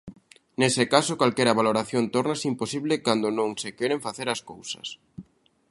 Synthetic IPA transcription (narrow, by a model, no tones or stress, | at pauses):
nesekasokalkɛɾaβaloɾaθjont̪oɾnasimposiβlɪkand̪onõŋsekeɾeɱfaθeɾaskowsɐ̰s